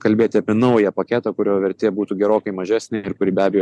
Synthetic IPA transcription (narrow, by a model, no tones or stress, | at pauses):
kɐlʲbʲeːt̪ʲɪɐpʲiɛnɐʋojɛpɐkʲæːt̪ɐkʊɾʲoːʋʲɛɾʲt̪ʲeːɛbuːt̪uːɡʲɛɾoːkɐɪmɐʒʲæːsʲnʲɪɪɾkʊɾʲɪːbʲæːbʲɛjoː